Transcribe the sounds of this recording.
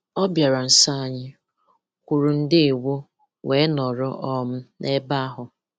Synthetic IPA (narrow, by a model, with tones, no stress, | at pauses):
ɔ˦bja˨ɾa˨n̩˨sa˦a˨ɲɪ˦ | kʷu˨ɾu˨n̩˦dɪ˦e˨wo˦ | we˨˦nɔ˨ɾʊ˦ʔɔ˦m̩˦nʔe˦ba˦a˦ɦʊ˨